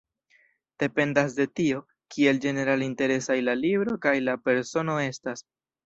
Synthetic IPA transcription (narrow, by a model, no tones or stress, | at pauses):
d̥e̞pe̞ndasde̞tio̞ | kʰie̞ld͡ʒe̞ne̞ɾalinte̞ɾe̞sajlalibɾo̞kajlape̞ɾso̞no̞e̞stas